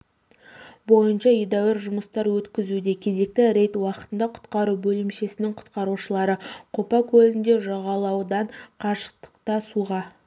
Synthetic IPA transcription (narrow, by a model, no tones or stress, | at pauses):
bo̞jənʃɑed̪æwɪɾʒʊməst̪ɑɾwɵt̪kʲɪzud̪e̞kʲʰe̞ze̞k̚t̪ɪɾe̞jt̪wɑqə̥t̪ənd̪ɑqʰʊ̥t̪qɑɾubɵlɪmʃe̞sɪnɪŋqʰʊ̥t̪qɑɾuʃəlˠɑɾəqʰopɑkʲʰɵlɪnd̪e̞ʒɑʁɑlˠɑwd̪ɑɴqʰɑʃə̥q̚t̪ə̥qt̪ɑsuʁɑ